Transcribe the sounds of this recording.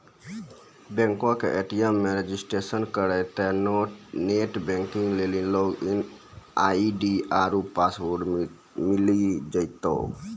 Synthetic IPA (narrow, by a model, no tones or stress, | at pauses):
bɛ̃ŋkõkeʔeʈijəmːeɾed͡ʒisʈɾesənkəɾɛt̪ɛnoneʈbɛ̃ŋkĩŋɡlelinloɡin | aiɖiaɾupasʋoɾɖ | milid͡ʒəɪt̪o̰